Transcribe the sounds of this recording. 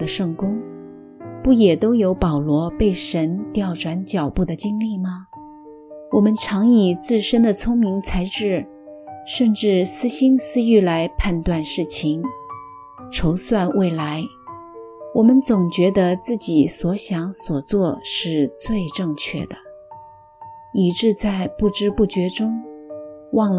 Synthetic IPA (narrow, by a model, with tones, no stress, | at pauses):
ə˩ʂɤ˥˩ŋkʊ˥ŋ | pu˥˩jɛ˨˩t̪o˥ʊjo˧˥ʊpɑ˨˩ʊlwɔ˧˥pe˥˩ɪʂə˧˥nt̪jɑ˥˩ʊʈ͡ʂʰwa˧˥nt͡ɕjɑ˨˩ʊpu˥˩d̪ə˩t͡ɕi˥ŋli˥˩mɐ˩ | wɔ˨˩mə˦nʈ͡ʂʰɑ˧˥ŋi˨˩t͡sɹ̩˥˩ʂə˥nd̪ə˨t͡sʰʊ˥ŋmi˧˥ŋt͡sʰa˧˥ɪʈ͡ʂɻ̩˥˩ | ʂə˥˧nʈ͡ʂɻ̩˥˩sɹ̩˥ɕi˥nsɹ̩˥y˥˩la˧˥ɪpʰa˥˧nt̪wa˥˧nʂɻ̩˥˩t͡ɕʰi˩ŋ | ʈ͡ʂʰo˧˥ʊswa˥˧nwe˥˩ɪla˧˥ɪ | wɔ˨˩mə˦nt͡sʊ˨˩ŋt͡ɕɥɛ˧˥d̪ə˧t͡sɹ̩˥˩t͡ɕi˨˩swɔ˧˥ɕjɑ˧˥ŋswɔ˨˩t͡swɔ˥˧ʂɻ̩˥˧t͡swe˥˧ɪʈ͡ʂɤ˥˧ŋt͡ɕʰɥɛ̰˥˩d̪ə˩ | i˧˩ʈ͡ʂɻ̩˥˧t͡sa˥˧ɪpu˥˩ʈ͡ʂɻ̩˥pu˥˩t͡ɕɥɛ˧˥ʈ͡ʂʊ˥ŋ | wɑ˥˩ŋl